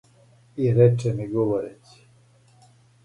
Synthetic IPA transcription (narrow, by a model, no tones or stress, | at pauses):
iɾet͡ʃemiɡoʋoɾet͡ɕi̥